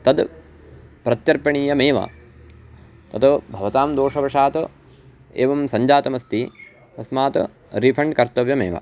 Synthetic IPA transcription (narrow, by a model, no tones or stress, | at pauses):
t̪ɐd̪ | pɾɐt̪jɐɾpɐɳiːjɐmeːʋɐ̰ | t̪ɐt̪ubʱɐʋɐt̪aːmd̪oːʂɐbɐʂaːt̪u | ḛːʋɐmsɐɲd͡ʒaːt̪ɐmɐst̪i | t̪ɐsmaːt̪ṵ | ɾipʰɐɳɖkɐɾt̪ɐʋjɐmeːʋɐ̰